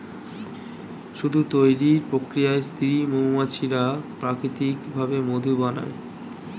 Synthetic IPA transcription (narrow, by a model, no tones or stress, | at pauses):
ʃud̪ʱut̪ojɾiɾpɾokɾijaest̪ʰiimomat͡ɕʰiɾapɾakɾit̪ikbʱabemod̪ʱubana̰e